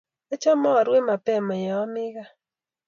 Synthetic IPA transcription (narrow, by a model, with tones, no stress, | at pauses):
e˦t͡ʃɔ˦mɔ˦a˨ɾwe˦ma˨pɛ˦˨mɔ˨jɛ˨ɔ˦mɪ˦ɣa˦